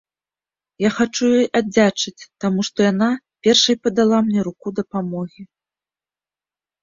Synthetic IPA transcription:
jaxat͡ʂujɔjʔad͡zʲat͡ʂɨt͡sʲt̪amuʂt̪ɔjana | pʲɛrʂɐjpɐd̪alˠamnʲɛɾukud̪ɐpamɔɣʲi

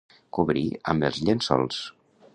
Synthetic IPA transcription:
kuβɾiə̰məlˠzʎensɔ̰lˠs

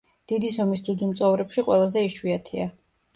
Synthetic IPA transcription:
d̪̥id̪isɔmisd̪zud̪zumt̪sʼɔvɾɛpʃiqʼwɛlˠazɛiʃwiat̪ʰia

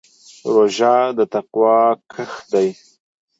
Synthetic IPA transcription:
ɾoʒɑd̪ət̪aqwɑkʰəxd̪aj

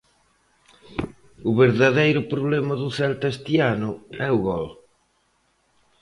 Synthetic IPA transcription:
ʊβeɾðaðejɾʊpɾoβlɛmɐðʊθɛlt̪ɛst̪ianʊɛʊɣɔl

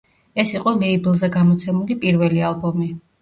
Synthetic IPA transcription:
ɛsiqʼɔlɛiblˠzɛɡamɔt̪sʰɛmulipʼiɾvɛlialˠbɔmi

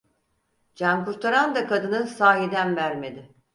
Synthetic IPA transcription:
d͡ʒamkuɾt̪ʰaɾand̪akʰad̪ɯnɯnsaːɦid̪ænvæɾme̞d̪ɪ

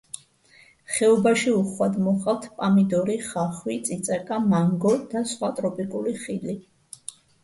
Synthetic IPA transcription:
χɛɔbaʃiuχwad̪mɔχʼalt̪ʰpʼamid̪ɔɾiχaχwit̪sʼit̪sʼɛkʼamaŋɡɔd̪̥asχwat̪ʼɾɔpʼikʼuliχili

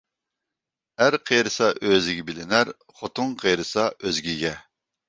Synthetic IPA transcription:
æɾqʰejɾɨsɑʔøzɪɡʲɛbɪlɪnæɾ | χot̪ʰʊŋqʰejɾɨsɑøzɡʲiɡʲɛ

